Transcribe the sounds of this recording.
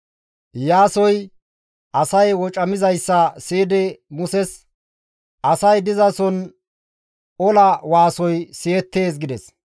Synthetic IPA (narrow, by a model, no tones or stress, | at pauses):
jaːsɔj | ʔɐsɐjwɔt͡ʃʼɐmɪzɐjsːɐseːd̪ɛmʊsɛs | ʔɐsɐjd̪ɪzɐsɔn | ɔlɐwaːsɔjseːt̪ːe̞ːs̬ɡɪd̪ɛs